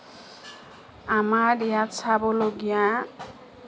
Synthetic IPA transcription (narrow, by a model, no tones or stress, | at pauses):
amaɾjat͡sʰaboloɡjã